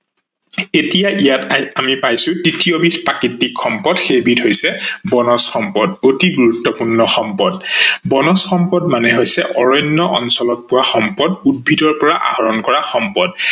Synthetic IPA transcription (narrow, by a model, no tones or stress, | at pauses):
etijaʔijatamipajsʊ̃tɹitijobitpakitːikxɔmpɔdxebidɦojsɛbɔnɔsxɔmpɔdotiɡuɹutːɔpuɹnɔxɔmpɔdbɔnɔsxɔmpɔdmanɛɦojsɛʔɔɹɔnːɔʔɔ̰nsɔlɔt̚pʊwaxɔmpɔdud̚bʱidɔɹpɔɹaʔa̰hɔɹɔnkɔɹaxɔmpɔd